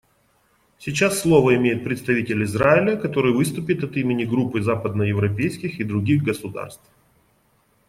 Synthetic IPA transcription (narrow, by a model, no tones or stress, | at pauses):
sʲɪt͡ɕasːlˠo̞vəɪmʲejɪt̪̚pɾʲɪt̪st̪ɐvʲitʲɪlʲɪzraɪlʲɪkɐt̪o̞ɾɨjvɨst̪ʊpʲɪt̪ɐt̪imʲɪnʲɪɡɾupːɨzapəd̪nəjɪvɾɐpʲejskʲɪxid̪ɾʊɡʲiɣɡəsʊd̪a̰rst̪f